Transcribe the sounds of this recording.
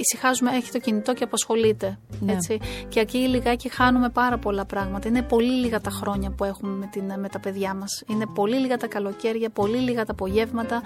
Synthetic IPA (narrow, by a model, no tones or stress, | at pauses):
isixɐzumeeçi̥t̪o̞cinit̪o̞ce̞ɐpɐsxo̞lit̪e̞et͡siceɐciːliɣɐcixɐnume̞pɐɾɐpo̞lɐpɾɐɣmɐt̪ɐine̞po̞liliɣɐt̪ɐxɾo̞ɲɐpue̞xume̞met̪inmet̪ɐpe̞ðʝɐmɐsine̞po̞liliɣɐt̪ɐkɐlo̞ce̞ɾʝɐpo̞liliɣɐt̪ɐpo̞ʝe̞vmɐt̪ɐ